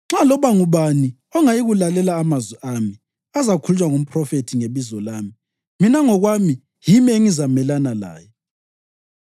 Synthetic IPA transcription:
ŋ͡ǁalɔβaŋuβani | ɔŋajiɣulalɛlaːmazwɛʔami | azakʰult͡ʃʼwaŋum̩pʰʼrɔfetʰiŋeβizɔlaːmi | minaŋɔɣwami | jimieŋizamɛlanala̰ːj

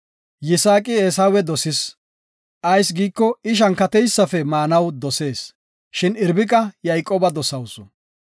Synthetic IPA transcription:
jɪsaːkʼɪeːsawɛd̪ɔsɪs | ʔɐjsɡiːkːɔɪʃ̬ɐnkɐt̪ɛjsːɐfɛmaːnɐwd̪ɔse̞ːs | ʃɪnɪɾbɪkʼɐjɐjkʼoːbɐd̪ɔsɐwsɔ

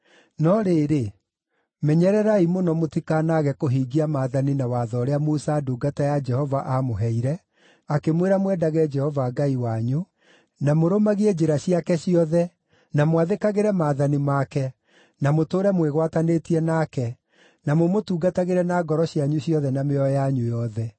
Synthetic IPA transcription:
nɔɾeːɾe | mɛɲɛɾɛɾaimonɔmotikanaɣɛkoɦiːɡiamaːðaninawaːðɔːɾeamusaːduːɡatajad͡ʒɛhɔvaʔamoɦɛiɾɛ | akemweɾamwɛdaɣɛd͡ʒɛhɔvaɡaiwaɲu | namoɾomaɣiɛd͡ʑeɾaɕiakɛɕiɔðɛ | namowaðekaɣeɾɛmaːðanimakɛ | namotoːɾɛmweɣwatanetiɛnakɛ | namomotuːɡataɣeɾɛnaɡɔɾɔɕjaɲuɕiɔðɛnameɔjaɲujɔðɛ

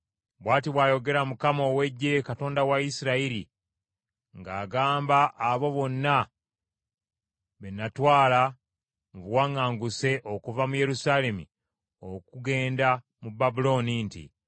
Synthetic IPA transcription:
βwaːtiβwaːjo̞ɡe̞ɾamukamo̞ːwe̞ɟːe̞kato̞ːndawaisiɾaiɾḭ | ŋɡaːɡaːmbaʔːβo̞βo̞nːa | βenatwaːla | muβwaːŋaːŋɡuse̞ʔo̞kuvamuje̞ɾusaːle̞mḭ | okuɡe̞ːnda | mubabulo̞ːnintḭ

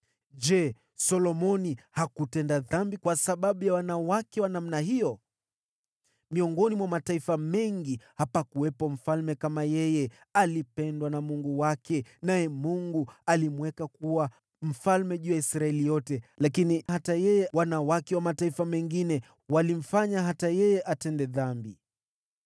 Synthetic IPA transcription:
d͡ʒɛ | sɔlɔmɔnihakutɛndaðambikwasaɓaɓujawanawakɛwanam̩naɦijɔ | miɔŋɡɔnimwamataifamɛŋɡihapakuwɛpɔm̩falmɛkamajɛjɛ | alipɛndwanamuŋɡuwakʰɛnajɛmuŋɡualimwɛkakuwa | m̩falmɛʄujaisɾaɛlijɔtɛlakinihatajɛjɛwanawakɛwamataifamɛŋɡinɛ | walim̩faɲaɦatajɛjɛʔatɛndɛðambi

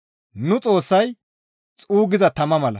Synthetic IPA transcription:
nʊt͡sʼo̞ːsːɐj | t͡sʼuːɡɪzɐt̪ɐmɐmɐlɐ̰

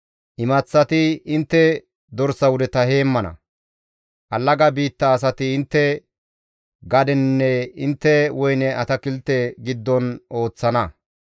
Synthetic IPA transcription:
ʔɪmɐt͡sːɐt̪ɪɪnt̪ːɛ | d̪ɔɾsɐwʊd̪ɛt̪ɐhe̞ːmːɐnɐ̰ | ʔɐlːɐɡɐbiːt̪ːɐːs̬ɐt̪ɪɪnt̪ːɛ | ɡɐd̪ɛnːɛɪnt̪ːɛwɔjnɛʔɐt̪ɐkɪlt̪ɛɡɪd̪ːɔnʔo̞ːt͡sːɐnɐ

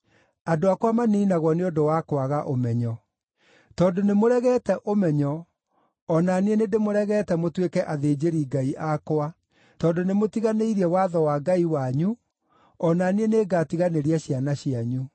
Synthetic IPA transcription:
adoakwamaneinaɣwɔneodowakwaɣaʔomɛɲɔ | tɔːndonemoɾɛɣɛːtɛʔomɛɲɔ | ɔnanienendemoɾɛɣɛːtɛmotwekɛʔaðeːd͡ʑeɾiːɡaiʔakoa | tɔːndonemotiɣaneiɾiɛwaðɔwaɡaiwaɲu | ɔnanieneɡaːtiɣaneɾiɛɕianaɕiaɲu

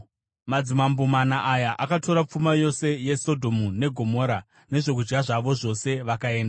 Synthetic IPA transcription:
mad͡zimambumanaʔajaʔakato̞ɾap͡fumajo̞se̞je̞so̞dʱo̞mune̞ɡʱo̞mo̞ːɾa | ne̞ʐo̞k̬ud͡ʒɡaʐaʋo̞ʐo̞se̞ʋakae̞ːndaa

